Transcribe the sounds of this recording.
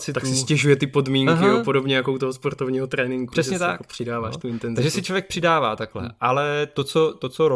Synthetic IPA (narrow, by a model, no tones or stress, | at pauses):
t͡sɪakssɪscɛʒujɛt̪ɪpo̞dmiːŋakɦɪopodobɲɛjakout̪oɦospoɾt̪ovɲiːɦot̪ɾɛːnɪŋɡur̥ɛsɲɛt̪apr̝̥ɪdaːva̰ːʃt̪uɪnt̪ɛnzaɡʒɛsɪt͡ʃlovjɛk̚pr̝̥ɪdaːva̰ːt̪aklɛ̰ʔalɛt̪ot͡sot̪ot͡soɾo